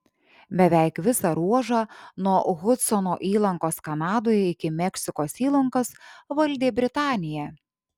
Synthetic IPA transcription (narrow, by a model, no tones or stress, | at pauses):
bʲɛʋʲæɪkʋʲɪsɑɾuɔʒɑːnuɔɣʊt̪sɔnoːʔiːlˠɐŋkoːskɐnɑːd̪oːjɛɪkʲɪmʲɛkʲsʲɪkoːsiːlˠɐŋkɐsʋɐlʲd̪ʲeːbʲɾʲɪt̪ɑːnʲɪjɛ